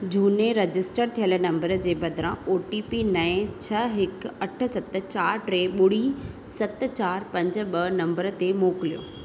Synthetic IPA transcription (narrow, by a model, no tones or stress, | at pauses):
d͡ʑʱuːneɾɐd͡ʑɪsʈəɾt̪ʰijəlnɐ̃mbəɾd͡ʑeːbɐd̪ʱɾãoːʈipinɐ̃ɪ̃t͡ɕʰɐɦɪkɐʈʰə̆sɐt̪ə̆t͡ɕaːɾʈɾeːɓʊɽ̤i | sɐt̪̆t͡ɕaːɾpɐ̃ɲd͡ʑə̆ɓɐnɐ̃mbəɾə̆t̪emoːkɪlijo̰ː